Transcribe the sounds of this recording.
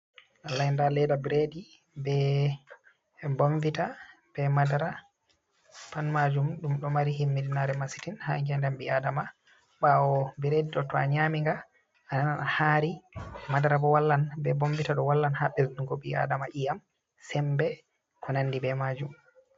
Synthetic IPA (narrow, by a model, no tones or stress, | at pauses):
ʔalajndalɛdabɾedi | bɛ | boɱvita | b̥ɛmadaɾa | panmad͡ʒumɗumɗɔmaɾiɦimːidinaɾɛmasi̥tinhaŋɡɛndɛmbiadama | ɓawɔbiɾediɗɔtɔaɲamiŋɡa | anananahaɾimadaɾabɔwalːanbɛbomvitaɗɔwalːanhaɓɛsduŋɡɔbia̰damaʔijam | sɛmbɛ | kʰɔnanːdibɛmad͡ʒum